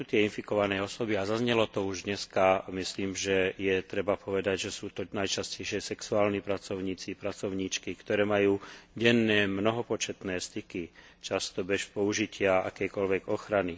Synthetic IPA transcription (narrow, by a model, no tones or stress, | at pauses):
uːt̪ɪɛinfikɔʋanɛɔsɔbiazazɲɛlɔt̪ɔuʒd̪ɲɛskamisliːmʒɛjɛt̪ɾɛbapʰɔʋɛd̪aɟʒɛsuːt̪ɔnajt͡ʃascɛjʃɪɛsɛksuaːlnipɾat͡sɔʊɲiːt͡sipɾat͡sɔʊɲiːt͡ʃkikt̪ɔɾɛːmajuːɟɛnːɛːmnɔɦɔpɔt͡ʃɛt̪nɛːst̪iki | t͡ʃast̪ɔbɛʃpɔuʒicʰɪaa̰kɛːkɔlʋɛɡɔxɾani